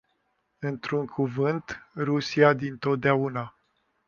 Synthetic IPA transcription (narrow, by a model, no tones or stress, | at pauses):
ɨnt̪ɾuŋkʰuvɨnt̪rusiad̪int̪o̞t̪̚d̪eauna